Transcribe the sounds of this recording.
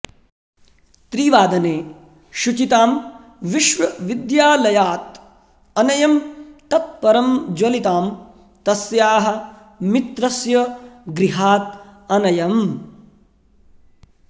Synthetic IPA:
t̪ɾiːʋaːd̪ɐneː | ʃut͡ʃit̪aːm | ʋiʃʋɐʋid̪jaːlɐjaːt̪̚ | ɐnɐjɐmt̪ɐt̪̚pɐɾɐmd͡ʒɐlit̪aːm | t̪ɐsjaːɦɐ̆ | mit̪ɾɐsjɐɡɾiɦaːt̪̚ɐnɐjɐm

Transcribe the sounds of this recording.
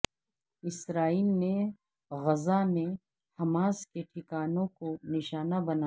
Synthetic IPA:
ɪsɾaːiːlne | ɣɐzane | hɐmaːskeʈʰɪkaːnõkonɪʃaːnabɐna

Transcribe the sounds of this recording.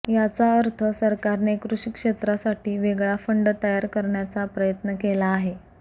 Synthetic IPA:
jat͡saəɾt̪ʰəsəɾkaɾnekɾuʂikʂet̪ɾasaʈiːʋeɡɭafəɳɖt̪əjaɾkəɾɳjat͡sapɾəjət̪nəkelaːɦe

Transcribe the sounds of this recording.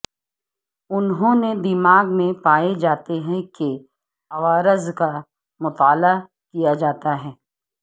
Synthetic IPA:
ʊnɦõned̪ɪmaːɡmẽpaːed͡ʒaːt̪eɦɛ̃ke | ɐʋaːɾəzka | mʊt̪aːla | kijad͡ʒaːt̪aɦɛː

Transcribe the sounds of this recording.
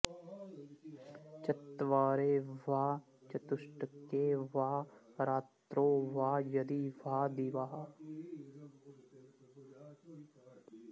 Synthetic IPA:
t͡ʃɐt̪ːʋaːɾeːʋaː | t͡ʃɐt̪ʊʃʈəkːeːʋaːɾaːt̪ɾoːʋaːjɐd̪iːʋaːd̪iʋaːɦa

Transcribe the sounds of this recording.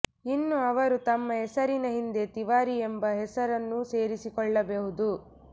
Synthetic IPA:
inːuɐʋɐɾut̪ɐmːɐɦɛsɐɾinɐɦind̪e̞t̪iʋaːɾiembɐɦɛsɐɾɐnːuse̞ːɾisikɔɭːɐbeɦud̪u

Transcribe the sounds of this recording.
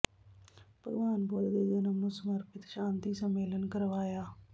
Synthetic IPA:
pəɡʋaːnboːld̪eːd̪enəmːusəməɾpɪt̪ʃãːnt̪iːsəmːeːlənkəɾʋaːjaː

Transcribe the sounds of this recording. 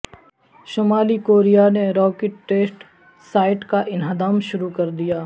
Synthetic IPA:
ʃomaːlikoːɾijaneɾɔːkeʈːeːsʈ | saːɪʈkaʔɪnɦəd̪aːmʃʊɾukɐɾd̪ijaː

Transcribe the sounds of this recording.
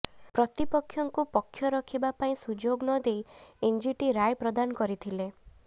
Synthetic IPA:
pɾɔt̪ipɔkʰjɔŋkupɔkʰːjɔɾɔkʰibapaĩsud͡ʒoɡnɔd̪ejend͡ʒiʈiɾajpɾɔd̪anɔkɔɾit̪ʰile

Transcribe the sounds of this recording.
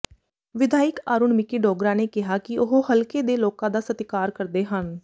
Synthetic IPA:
ʋɪd̪ʱaːɪkaːɾuːnmɪkiːɖɔːɡɾãːneːkɪɦaːkɪʊɦohəlkeːd̪eːloːkãːd̪aːsət̪ɪkaːɾkəɾd̪eːɦən

